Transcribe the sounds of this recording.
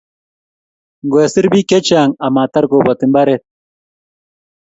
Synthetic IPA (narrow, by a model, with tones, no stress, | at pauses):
ŋɡwe˨sɨ˦ɾbi˦ke˦t͡ʃaː˨ŋa˨maː˨t̪a˦ɾɡo˨bo˨t̪i˨mba˦ɾe˨t̪̚